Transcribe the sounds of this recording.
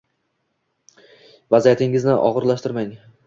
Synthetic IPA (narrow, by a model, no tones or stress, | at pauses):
vazijat̪ʰɪŋɪznɪʔɒ̰ʁɨɾlaʃt̪ɪɾmaŋ